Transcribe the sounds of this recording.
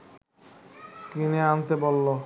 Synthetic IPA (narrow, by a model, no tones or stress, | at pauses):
kineant̪ebolːo